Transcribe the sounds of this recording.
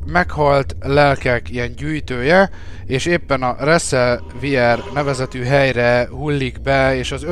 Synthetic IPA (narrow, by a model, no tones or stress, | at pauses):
mɛkhɒlt̪lɛlkɛkijɛɲɟyːjt̪øːjɛ | eːʃeːpːɛnɒrɛsːɛl | viɛrnɛvɛzɛt̪yːɦɛjrɛhulːiɡbɛeːʃɒzø